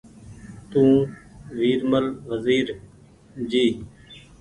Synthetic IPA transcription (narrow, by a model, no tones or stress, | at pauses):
t̪ũːʋiːɾməlʋəziːɾ | d͡ʒiː